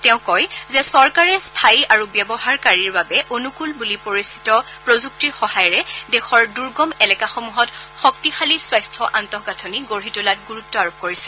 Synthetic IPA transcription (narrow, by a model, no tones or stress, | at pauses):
tɛʊ̃kɔjzɛsɔɹkaɹɛstʰajʔaɹubjɛbɔɦaɹkaɹiɹbabɛʔonukulbulipoɹisi̥tɔ | pɹozuk̚tiɹxɔhajɔɹɛdɛxɔɹduɹɡɔmɛlɛkaxɔmuɦɔtxɔk̚tixaliswajstʰɔʔantɔɦɡatʰɔniɡoɹɦitulat̚ɡuɹutːɔaɹop̚koɹisɛ